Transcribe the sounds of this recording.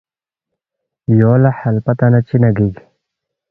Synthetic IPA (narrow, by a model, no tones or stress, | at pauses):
joːlɐħɐlpɐt̪ɐnɐt͡ɕinɐɡiɡ